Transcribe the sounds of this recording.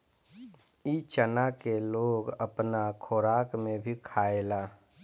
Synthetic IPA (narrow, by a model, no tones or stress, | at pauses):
it͡ʃənakeloːɡəpnakʰoːɾaːkmẽbʱikʰaːelaː